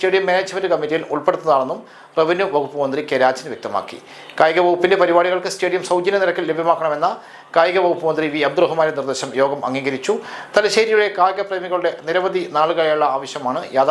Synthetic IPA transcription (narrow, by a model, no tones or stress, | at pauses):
ste̞ːɽijɐmːeːneːd͡ʑmendɨkɐmːitːijiluɭpeɽut̪ːunːɐðaːɭenːum | reʋinːuʋɐɣupːumɐnd̪rikʲeɾaːd͡ʑinʋjek̚t̪ɐma̰ːkːḭ | kaːjɡɐʋɐwupːindepɐɾibaːɽiɣɐɭkɨsteːɽijɐmsɐwd͡ʑɐnɐniɾɐkːillebʱjɐmaːkːɐɳɐme̞nːɐ | kaːjɡɐʋɐɣupːumɐnd̪riʋiːɐb̚d̪uɾɐɦumaːnenird̪eːɕɐmjo̞ːɡɐmʔɐ̰ŋːiːɡɐɾit͡ɕːut̪ɐlɐɕeːɾijuɽe̞kaːjɡɐpreːmiɣɐɭuɽe̞niɾɐbɐðinaːɭɣɐjɐjuɭːɐaːʋɐɕjɐmaːɳɨjaːd̪